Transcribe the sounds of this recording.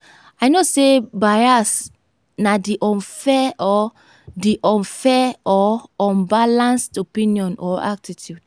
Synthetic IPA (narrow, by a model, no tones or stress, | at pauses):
ajnosebajas | nadiʔɔ̃nfɛɔ | diʔɔ̃nfɛɔɔ̃mbalãnstopĩnijɔ̃nɔ̰a̰k̚titʰjud̥